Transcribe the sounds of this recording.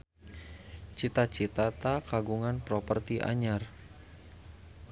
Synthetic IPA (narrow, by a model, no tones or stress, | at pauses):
t͡ʃit̪at͡ʃit̪at̪akaɡuŋanpɾɔpərt̪iʔa̰ɲar